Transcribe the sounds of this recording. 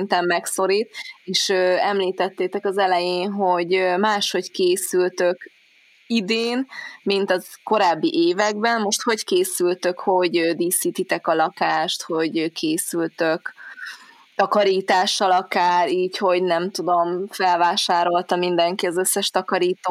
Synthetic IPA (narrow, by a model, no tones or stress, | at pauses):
nt̪ɛmːɛkso̞ɾiːt̪̚eːʃøːɛmliːt̪ɛt̪ːeːt̪ɛkɒzɛlɛjeːnɦo̞ɟømaːʃho̞ckeːsylt̪ø̞k | id̪eːnmint̪ɒzko̞ɾaːbːiʔeːvɛɡbɛnmo̞ʃt̪ho̞ckeːsylt̪ø̞kho̞ɟød̪iːsiːt̪it̪ɛkɒlɒkaːʃt̪ho̞ɟkʰeːsylt̪øk | t̪ɒkɒɾiːt̪aːʃːɒlɒkaːɾiːcho̞ɟnɛmt̪ud̪o̞mfɛlvaːʃaːɾo̞lt̪ɒmind̪ɛŋkiɒzøsːɛʃt̪ɒkɒɾiːt̪oː